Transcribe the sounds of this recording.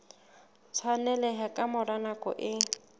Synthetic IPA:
t͡sʰwanɛlɛɦakʼamʊranakʼɔ̰ʔɪ

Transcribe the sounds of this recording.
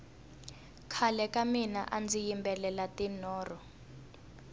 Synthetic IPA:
kʰalɛkamina̰ʔand͡zijimbɛlɛlatinɔːrɔ

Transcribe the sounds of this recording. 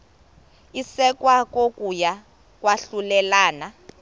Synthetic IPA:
isɛk̬ʼwak̬ʼok̬ʼuja | k̬ʼwaɬulɛlaːna

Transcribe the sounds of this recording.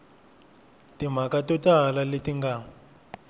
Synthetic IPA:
tim̤akatɔtalaletiŋɡa

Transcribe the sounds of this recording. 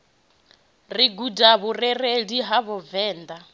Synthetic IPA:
riɡudaβurɛɾeɺiɦaβɔvɛːnd̪a

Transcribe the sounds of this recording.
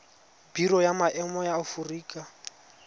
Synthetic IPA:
biɾɔjamaʔɛmɔjaʊfuriːkʼa

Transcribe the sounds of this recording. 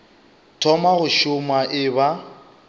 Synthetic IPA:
tʰɔmaɣʊʃʊmaʔɪba

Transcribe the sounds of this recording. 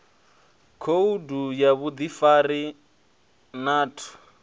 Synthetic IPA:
kʰoudujaβud̪ifaɾi | naːtʰu̥

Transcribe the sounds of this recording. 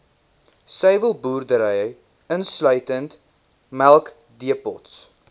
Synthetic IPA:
sɛjvəlˠbuːrdəɾɛjə | ənslœɥtənt | mælˠk | diəpɔ̰ts

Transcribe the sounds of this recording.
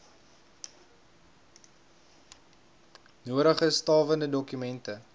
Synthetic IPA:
nuəɾəχəstɑːvəndədɔkymɛntə

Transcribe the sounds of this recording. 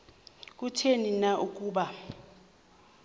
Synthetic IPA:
k̬ʼutʰeninaʔuk̬ʼuːɓa

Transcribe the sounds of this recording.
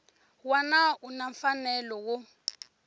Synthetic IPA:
wanaunaɱfanɛlɔwʊ

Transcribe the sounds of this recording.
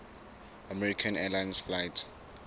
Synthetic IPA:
amɛɹikʰãnɛlajnsflajt

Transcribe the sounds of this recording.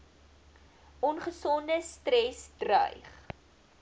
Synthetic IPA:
ʔɔnχəsɔndəstrɛsdrœ̰jχ

